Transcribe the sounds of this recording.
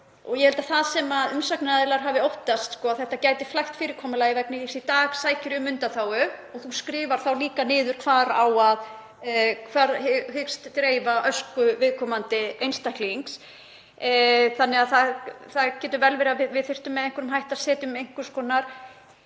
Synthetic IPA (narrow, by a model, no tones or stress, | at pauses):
ɔɣjɛhɛlt̪aθaðsɛmaðʏmsaknaðɪlaɾ̥ɦaːvɪowht̪ast̪skɔaðθɛht̪ːacaːjt̪ɪflajxt̪fɪːɾɪɾ̥kʰɔːmʏlajɪvɛknɪðiksit̪aːɣsaːjcɪɾʏmʏnt̪aθawʏɔɣθuskɾɪːvaɾ̥θawliːkanɪːðʏɾ̥kʰvaːɾawað | kʰvaːɾhʏkst̪ːɾeːjvaʔœskʏvɪðkʰɔmant̪ɪejnst̪ahkliiŋks | θanːɛaðθaðθacɛːt̪ʏɾvɛlvɛːɾavɪvɪðθɪr̥t̪ʏmːɛðejŋkʰʏɾʏmɦajht̪aðsɛːt̪ʏmejŋ̥kʏɾ̥skɔːnaɾ̥